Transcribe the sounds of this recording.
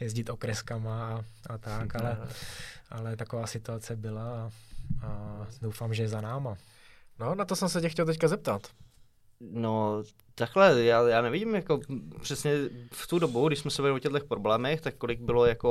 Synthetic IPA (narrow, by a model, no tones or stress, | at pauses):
jɛzɟɪt̪ʔokɾɛskamaːat̪akalɛ | ʔalɛt̪akovaːsɪt̪uat͡sɛbɪlaːadowfaːmʒɛɛzanaːma | nonat̪osɛmsɛcɛxcɛlt̪ɛckazɛp̚t̪at̪ | no | t̪aklɛjaːjaːnɛvɪɟɪmjako̞pr̝̥ɛsɲɛft̪udobuɡdɪʃsmɛsɛvɛlɪʔocɛd̪lɛxpɾoblɛːmɛxt̪akːolɪɡ̚bɪlo̞jako